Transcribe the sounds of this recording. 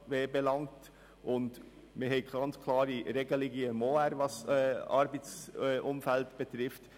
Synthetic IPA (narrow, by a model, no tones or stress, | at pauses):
ʋeːbelɑŋt | ʔʊnd | mɪhɛɪɡ̥ɑnt͡skʰlɑːɾiɾeɡəlɪɡiɛmoːæɾʋɑsɛɑ̰ɾbət͡sʔʊmfæltb̥ɛtɾɪft